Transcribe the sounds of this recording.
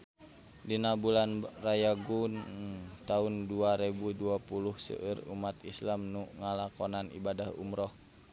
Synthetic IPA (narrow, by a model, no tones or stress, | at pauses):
dinabulanrajaɡunt̪aunduaɾebuduapuluhsə̰ʔərṵmat̪islamnuŋalakɔnanḭbadahṵmɾɔh